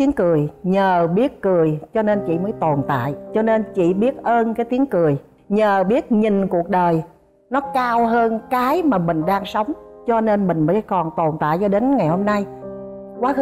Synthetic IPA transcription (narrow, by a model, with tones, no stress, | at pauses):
i˨˦əŋkɨ˨˩əjɲəː˨˩ɓi˦˥ət̚kɨ˨˩əjt͡ɕɔ˧ne˧nt͡ɕḭ˧˨məː˨˦jt̪o˨˩nt̪a̰ː˧˨jt͡ɕɔ˧ne˧nt͡ɕḭ˧˨ɓi˦˥ət̚ʔəː˧nkaː˨˦jt̪i˨˦əŋkɨ˨˩əj | ɲəː˨˩ɓi˦˥ət̚ɲi˨˩ŋ̟ku˨˩ək̚ɗəː˨˩j | nɔ˨˦kaː˧wɦəː˧nkaː˨˦jmaː˨˩mï˨˩ŋ̟ɗaː˧ŋsə˨˦wŋ͡mt͡ɕɔ˧ne˧nmï˨˩ŋ̟məː˨˦jkɔ˨˩nt̪o˨˩nt̪a̰ː˧˨jt͡ɕɔ˧ɗe˨˦nŋa˨˩jho˧mna˧j | kwaː˨˦˧